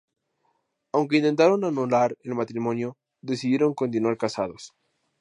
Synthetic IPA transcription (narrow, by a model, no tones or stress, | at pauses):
awŋke̞int̪e̞nt̪aɾo̞nanulaɾelmat̪ɾimõ̞njo | ðe̞siðje̞ɾo̞ŋko̞nt̪̬inwaɾkasaðo̞s